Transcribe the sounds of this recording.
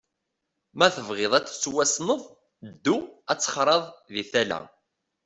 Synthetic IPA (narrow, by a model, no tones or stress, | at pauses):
mæθəvʁɪðˤæt͡sːswæsnəðˤ | d̪ːuæt͡sːə̥χɾˤɑðˤðiθælæ̰